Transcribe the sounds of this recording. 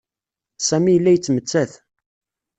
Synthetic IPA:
sæmijəlːæjət͡sːmət͡sːæθ

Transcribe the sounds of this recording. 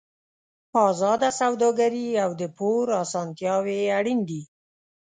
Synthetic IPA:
pɑzɑd̪asawd̪ɑɡaɾiawd̪əpʰoɾɑsɑnt̪jɑweaɽind̪i

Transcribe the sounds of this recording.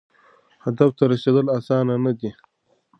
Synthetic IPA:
had̪aft̪aɾaʃed̪əlasɑːnanad̪i

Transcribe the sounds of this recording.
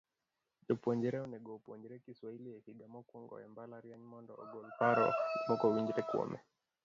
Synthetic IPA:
ʄɔpuɔɲd͡ʒɛɾɛɔnɛɡɔpuɔɲd͡ʒɛɾɛkiswahilijahiɡamɔkɔŋɡɔ̰ɛmbalaɾiaɲimɔndɔːɡɔlpaɾɔ̰mɔkɔwiŋɡiɾɛkwɔ̰mɛ̰

